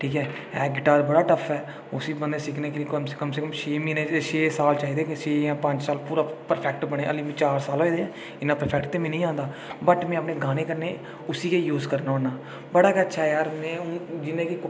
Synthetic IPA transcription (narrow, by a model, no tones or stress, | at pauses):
ʈʰiːkɛː | ɛːɡɪʈaːɾbəɽaːʈəpʰɛː | ʊsiːbənd̪ẽːsɪkneːkeːlieːkəmsekəmseːkəmʃeːmiːneʃeːsaːlt͡ʃaːiːd̪eːkʃeːjãːpə̃ɲd͡ʒsaːlpuːɾaːpəɾpʰɛːk̚ʈbəɽ̃eːə̰liːmĩːt͡ʃaːɾsaːlɦoːeːd̪eːɛː | ɪnãːpəɾpʰɛːk̚ʈt̪eːmẽːnəĩːãːnd̪aː | bəʈmɛ̃ːəpneːɡaːneːkəɾneː | ʊsiːkeːjuːzkəɾnaːənaː | bəɽaːkːətːʃʰaːɛjaːɾmɛ̃ːʊd͡ʒɪnẽːki